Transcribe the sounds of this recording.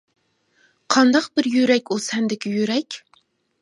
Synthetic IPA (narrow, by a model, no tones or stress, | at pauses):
qʰɑnd̪ɑqbɪɾjyɾɛkʲusɛnd̪ɪkʲijyɾɛkʲ